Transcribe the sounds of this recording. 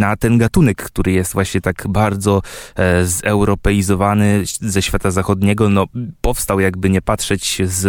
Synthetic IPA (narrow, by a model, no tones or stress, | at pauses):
nat̪ɛnɡat̪unɛkːt̪uɾɘjɛst̪vwaɕɲɛt̪aɡbaɾd̪zɔ | zɛwɾɔpɛjizɔvanɘzɛɕfʲjat̪azaxɔd̪ɲɛɡɔnɔpɔfst̪awjaɡbɘɲɛpatʂɛt͡ɕz